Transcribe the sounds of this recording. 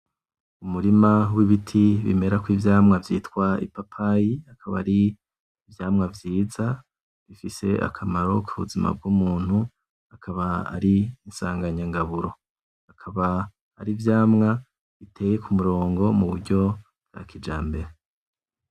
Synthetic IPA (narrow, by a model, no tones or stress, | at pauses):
umuɾimawiβitʰiβḭme̞ɾakwiːvjaːmŋavjiːtwaḭpapʰajiakʰaβa̰ɾiː | vjaːmŋavjiːza | βifise̞̰ʔa̰kʰamaɾo̞kʰuβṵzima̰b̚ɡuːmuːn̥hu | akʰaβaa̰ɾiːnsaːŋɡaɲaŋɡaβuɾo̞ | akʰaβaː | ɾivjaːmŋa | βitʰe̞ːje̞kʰumuɾo̞ːŋɡo̞muβuɾɟo̞ | b̚ɡ̥a̰kid͡ʒa̰ːmbe̞ɾe